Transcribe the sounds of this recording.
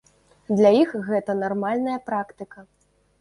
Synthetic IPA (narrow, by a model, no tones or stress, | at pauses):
d̪lʲajixɣɛt̪ɐnarmalʲnɐjɐpɾakt̪ɨkɐ